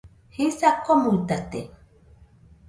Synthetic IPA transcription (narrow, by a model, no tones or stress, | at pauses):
hisakomuit̪at̪ḛ